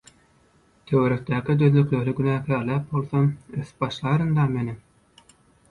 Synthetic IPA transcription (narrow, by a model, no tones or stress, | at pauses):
t̪ʰøwøɾøk̚t̪æːkid̪øðlykløɾyɡynæːkælæːp̚bo̞lˠθomøθb̥ɑʃlˠɑːɾɯnd̪ɑmeni